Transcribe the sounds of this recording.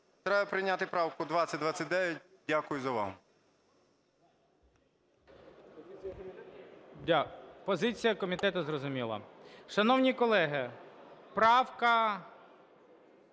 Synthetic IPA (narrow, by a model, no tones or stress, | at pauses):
t̪ɾɛjɐpɾɪnʲat̪ɪpɾɑwkʊd̪ʋatsʲɐt̚ʲd̪ʋɑt͡sʲɐtʲd̪ɛʋʲɛt̚ʲ | dʲakʊjʊzɐʋɑ̰ɦ | pɔzɪt͡sʲijɐkɔmʲit̪ɛt̪ʊzrɔzʊmʲilˠɐ̰ʃɐnɔwnʲikɔlˠɛɦɪpɾɑwkɐ